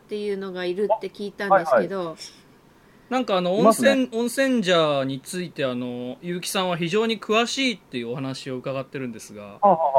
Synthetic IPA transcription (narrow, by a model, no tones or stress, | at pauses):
t̪ːe̞jɯ̟ːno̞ɡaiɾɯ̟t̪ːe̞kʲiːt̪ãnd̪e̞sɨked̪o̞ | nãŋkaːno̞õsẽõɰ̃sẽ̞ɲ̟d͡ʑaːɲ̟it͡sɨit̪e̞ano̞jɯ̟ːkʲi̥sãɰ̃βaçiʑo̞ːɲ̟ikɯ̟βaɕiːt̪ːe̞jɯ̟ohanaɕio̞ɯ̟kaɡat̪ːe̞ɾɯ̟̃nd̪e̞sɨɡa̰